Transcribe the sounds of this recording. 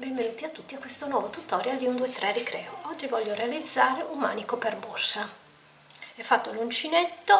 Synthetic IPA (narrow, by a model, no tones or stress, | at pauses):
bɛɱvenuːt̪iat̪ːut̪ːiakwest̪onwɔːvot̪ut̪ɔːɾjald̪iund̪uet̪ɾɛdikɾɛːoɔd͡ʒːivɔʎːoɾealid̪zːaːɾeʔummaːnikoperborsa | ɛfːat̪ːolunt͡ʃinet̪ːo